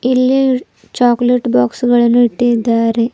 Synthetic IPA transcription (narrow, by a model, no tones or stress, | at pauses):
ilːi | t͡ɕaːkleʈːbaːksuɣɐɭinuiʈːid̪aːɾe